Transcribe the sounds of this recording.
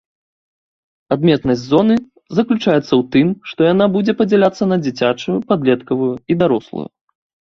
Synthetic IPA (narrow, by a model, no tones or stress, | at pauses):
ad̪mʲɛt̪nɐzʲd͡zʲzɔnɨ | zɐklʲut͡ʂajɛt̪sːɐwt̪ɨmʂt̪ɔjanabud͡zʲɛpɐd͡zʲɛlʲat̪sːɐnɐd͡zʲit͡sʲat͡ʂujupad̪lʲɛt̪kɐvujuid̪aɾɔslˠṵjṵ